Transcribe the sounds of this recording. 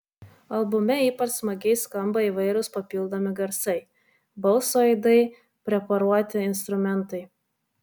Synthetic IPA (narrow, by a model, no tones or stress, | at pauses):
ɐlˠbʊmʲɛiːpɐt͡ʃsmɐɡʲɛɪskɐmbɐiːʋɐɪɾʲʊspɐpʲɪlˠd̪oːmʲɪɡɐɾsɐɪ | bɐʊsoːɛɪd̪ɐɪ | pʲɾʲɛpɐɾuɔt̪ʲɪɪnst̪ɾʊmʲɛnˑt̪ɐɪ